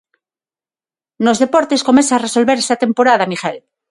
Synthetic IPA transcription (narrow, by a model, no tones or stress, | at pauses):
no̞zðe̞poɾt̪e̞sko̞mesaːreso̞lβe̞ɾest̪at̪e̞mpo̞ɾaðamixel